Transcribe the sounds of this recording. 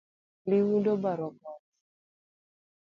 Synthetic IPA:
liwudobaɾɔkɔt̚

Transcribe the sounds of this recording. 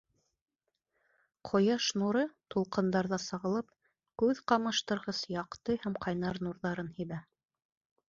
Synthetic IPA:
qʰŏjɑʃnuɾɤt̪ulˠqɤ̆nd̪ɑɾðɑsɑʁɤ̆lˠɤp̚ | kʉðqɑmɤ̆ʃt̪ɤ̆ɾʁɤsjɑqt̪ɤhæmqʰɑjnɑɾnuɾðɑɾɤnhiβæ

